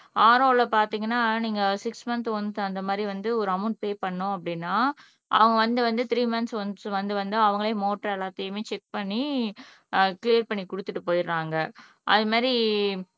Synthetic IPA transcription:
aːɾoːlɐpaːɾt̪iːŋɡɐnːaːniːŋɡɐsɪksmɐnt̪ɔnt̪ɐnd̪ɐmaːd̪ɾiʋɐnd̪ɯɔɾɯɐmʊn̚peːpɐɳːʊ̃ɐpːɐɽɪnːaː | ʔɐ̰ʋɐŋɡɐʋɐnd̪ɯʋɐnd̪ɯt̪ɪɾiːmɐnsɔnsʋɐnd̪ɯʋɐnd̪ɯɐʋɐŋɡɐɭeːmoːʈːɾɛlːaːt̪ɐjɐmeːt͡ʃɛk̚pɐɳːi | kɪlijɐɾpɐɳːikʊɽɯt̪ːɯʈːɯpoːjɪɾːaːŋɡɐ | ʔɐðɯmaːd̪ɾi

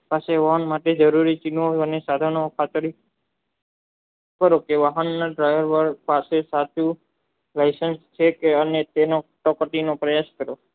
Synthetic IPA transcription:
paseʋaɦənmaʈed͡ʒəɾuɾit͡ʃinoənesad̪ʱaɾɳ̃okʰat̪ɾi | kəɾokeʋaɦənːaɖɾajʋəɾʋəɾpasesat̪u | lajsənst͡ʃʰekeənet̪enoʈɔkəʈinopɾəjaskəɾo

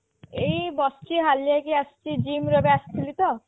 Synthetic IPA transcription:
ejbɔst͡ʃiɦaljakiast͡ʃid͡ʑimɾɔbeast̪ʰilit̪ɔ

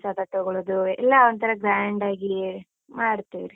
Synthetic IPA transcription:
saːt̪ɐʈːɐɡɐɭud̪uɛlːaɐnt̪ʰɐɾɐɡɾaːɳɖaːɡi | maːɽut̪ːiʋiɾi

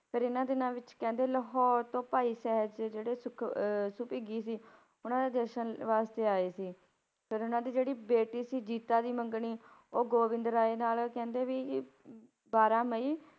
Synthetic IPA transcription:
pʰɪɾɪnãːd̪ɪnãːʋɪt͡ʃkɛ̃ːnd̪eːləɦɔːɾt̪õːpaːiːsɛːɦəd͡ʒd͡ʒeːɽeːsʊkʰsʊpiːɡiːsiː | ʊnãːd̪eːd̪əɾʃənʋaːst̪eːaːeːsiː | pʰɪɾʊnãːd̪iːd͡ʒeːɽiːbeːʈiːsiːd͡ʒiːt̪aːd̪iːməŋɡɳiːoːɡoːʋɪ̃nd̪əɾaːeːnaːlkɛ̃ːnd̪eːʋiː | baːɾãːməiː

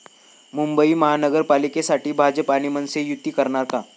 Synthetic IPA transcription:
mumbəiməɦanəɡəɾpalikesaʈiːbʱad͡ʒəpañimənsejut̪ːikəɾɳaɾka

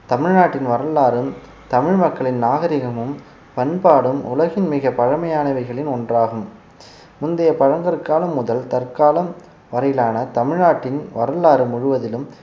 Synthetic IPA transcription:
t̪ɐmɪɻnaːʈːɪnʋɐɾɐlaːɾɯm | t̪ɐmɪɻmɐkːɐɭɪnnaːɣɐɾɪɣɐmɯm | pɐnpaːɽɯmʊ̰lɐɣɪnmɪɣɐpɐɻɐmɐjaːnɐʋɐɪɣɐɭɪnɔndraːɣɯm | mʊnd̪ɐjɐpɐɻɐŋɡɐɾkaːlɐmːʊðɐlt̪ɐrkaːlɐm | ʋɐɾɐjɪlaːnɐt̪ɐmɪɻnaːʈːɪnʋɐ̰ɾɐlaːɾɯmʊɻɯʋɐðɪlɯm

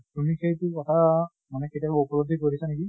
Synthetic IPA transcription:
tumiketʊkɔtʰa | manɛketiabupɔlobd̪ʱikoɹisanek̬i

